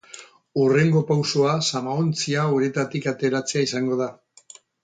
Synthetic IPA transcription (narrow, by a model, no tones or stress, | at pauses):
ure̞ŋɡo̞pawso̞asamaont͡siauɾet̪at̪ikat̪e̞ɾat͡se̞aisaŋɡo̞ða